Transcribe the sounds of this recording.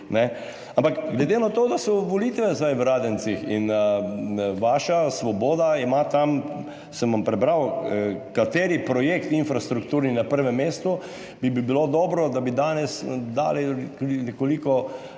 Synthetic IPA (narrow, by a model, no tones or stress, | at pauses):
nɛ | ampakɡlɛd̪enat̪oːd̪asɔʋɔlit̪ʋɛzajʋɾaːd̪ɛnt̪sixin | ʋaːʃasʋɔboːd̪aimat̪am | səmʋampɾɛbɾawkat̪eːɾipɾɔjekt̪infɾast̪ɾukt̪uːɾninapəɾʋɛmːeːst̪u | bibibilod̪ɔːbɾɔd̪abid̪aːnɛsd̪a̰ːliinɛkolikɔ